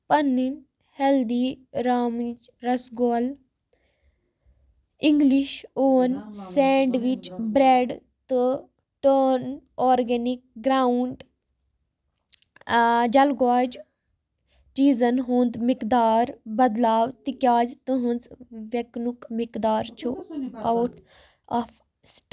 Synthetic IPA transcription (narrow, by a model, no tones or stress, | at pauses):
pɐnːin | held̪iɾaːmid͡ʒɾɐsɡoːl | iŋɡliʃoːnseːɳɖʋit͡ʃbɾeːɖ | t̪ɨ | ʈənoːɾɡenik̚ɡɾaːuɳɖ | d͡ʒɐlɡaːd͡ʒ | ʈiːzɐnɦũːnd̪mikd̪aːɾbɐd̪laːwt̪ikʲaːd͡ʒt̪ɨɦənt͡sʋeknukmikd̪aːɾt͡ʃʰuawʈ | ɐf | sʈ